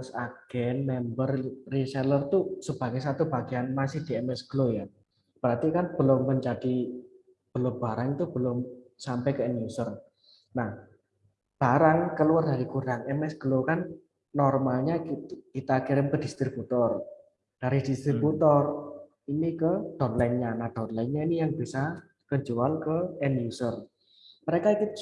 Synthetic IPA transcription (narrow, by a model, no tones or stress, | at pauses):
saɡ̥ɛnmɛmbərrisɛlərt̪usəb̥aɡɛsat̪ubaɡ̥ianmasɪhd̥iɛmɛsɡ̥əloja | b̥əɾat̪ikanb̥əlʊmːəɲd͡ʒad̥i | b̥əlʊmbaɾaŋit̪ub̥əlʊmsampɛkəɛnusər | nah | b̥aɾaŋkəluardaɾikuɾaŋɛmɛsɡ̥əlokanː | ɔrmalɲaikit̪akiɾɪmkəd̥i̤st̪ɾib̥ut̪ɔr | d̥aɾid̪̥ist̪ɾibut̪ɔr | inikəd̥ɔ̤nlɛnɲanad̪̥ɔ̤nlɛnɲainijaŋb̥isa | kəd͡ʒualkəɛnjusər | məɾekaiku